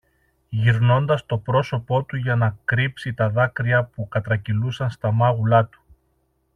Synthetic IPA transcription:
ʝiɾno̞nd̪ɐst̪o̞pɾo̞so̞po̞t̪uʝɐnɐkɾipsit̪ɐðɐkɾiɐpukɐt̪ɾɐcilusɐnst̪ɐmɐɣulɐt̪u̥

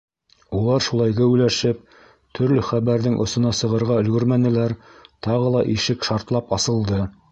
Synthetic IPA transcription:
ulˠɑɾʃulˠɑjɡɘʉlæʃɘp̚ | t̪ʰɵ̆ɾlɵχæβæɾðɘŋʔŏsŏnɑsɤ̆ʁɤ̆ɾʁɑɵ̆lɡɵ̆ɾmænɘ̆læɾt̪ɑʁɤlˠɑʔiʃɘkʃɑɾt̪lˠɑpɑsɤ̆lˠd̪ɤ

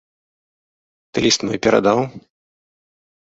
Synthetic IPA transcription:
t̪ɨlʲist̪mɔjpʲɛɾa̰d̪aw

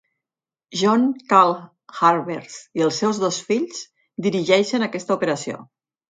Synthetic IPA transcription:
ʒɔŋkalˠ | xaɾβeɾsiəlˠsːɛwzðosfiʎz | d̪iɾiʒɛʃənakɛst̪əupeɾəsio̰

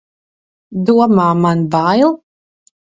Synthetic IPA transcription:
d̪uɔmaːmanbajlˠ

